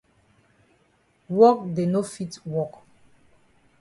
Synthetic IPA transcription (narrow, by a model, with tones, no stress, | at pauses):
wɔ˦k̚de˨no˦fi˦twɔ˦˨k